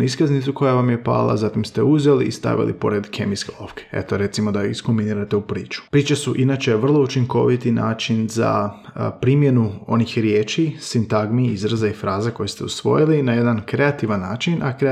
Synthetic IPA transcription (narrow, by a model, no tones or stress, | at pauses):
iskaznit̪suko̞jaʋamje̞pa̰ːlˠa̰zat̪imst̪euzelḭːst̪a̰ʋḭlḭpo̞̰ɾed̪kʰe̞mijskelo̞̰fke̥e̞̰t̪oɾe̞t̪simo̞d̪aiskumbiniːɾat̪e̞upɾiːt͡ʃu̥pɾiːt͡ʃasuʔinaːt͡ʃe̞ʋr̩lˠo̞ut͡ʃiŋko̞ʋit̪inaːt͡ʃinza̰pɾiːmje̞nuo̞nixɾjeːt͡ʃisint̪aɡmiizɾazaifɾaːzako̞jest̪e̞usʋo̞̰jilinaje̞d̪ankɾe̞at̪iʋanːaːt͡ʃinʔakɾe